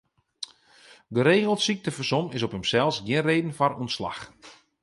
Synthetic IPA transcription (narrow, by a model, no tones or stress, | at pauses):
ɡəɾeːɣəlˠtsik̚təfəsomɪs̬ɔpəmsɛlˠsɡjɪənreːdən̩faɾontsla̰x